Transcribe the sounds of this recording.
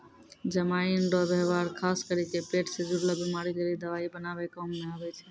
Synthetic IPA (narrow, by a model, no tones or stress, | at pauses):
d͡ʒəmainɖɔbeɦʋaɾkʰaːskəɾikepeːʈsed͡ʒuɽlabimaɾiɡəɾid̪əʋaːibənaʋekɔːmːeaːbɛt͡ʃʰe